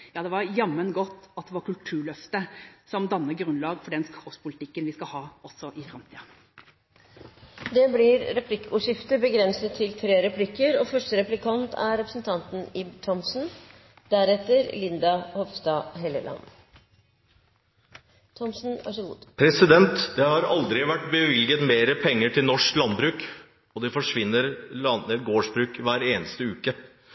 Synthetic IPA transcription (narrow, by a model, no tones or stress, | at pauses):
jɑːd̪ɛʋɑɾjɑmːənɡɔt̪ːɑt̪̚d̪ɛʋɑɾkʉlt̪ʰʉːɭœft̪əsɔmd̪ɑnːəɾɡɾʉnlɑːɡfɔɖɛnskɔspʰʊlɪt̪ɪkːənʋɪskɑhɑːɔsɔʔɪfɾɑmt̪ʰḭːə | d̪ɛblɪɾɾɛpʰlɪkːuːʂɪft̪əbəɡɾɛnsət̪ʰːɪlt̪ʰɾeːɾɛpʰlɪkːəɾɔːfœʂʈəɾɛplɪkʰɑnt̪ʰæ̰ɾɛpɾəsn̩t̪ʰɑnt̪n̩ɪbt̪ʰɔmsn̩ | d̪æɾɛt̪əɾlɪnd̪ɑhɔʋst̪ɑːɦɛləlʔɑ̰n | t̪ʰɔmsn̩ɑ̰ʂṵːd̪pʰɾɛsɪd̪ɛnt̪d̪ɛhɑɾɑld̪ɾɪʋæʈːbəʋɪlɡət̪meːɾəpʰɛŋːəʈʰɪlnɔʂklɑnbɾʉːk | ɔd̪ɛfɔʂʋɪnːəɾlɑnəɾɡoːʂbɾʉːkʋæːɾeːnəst̪əʉːkə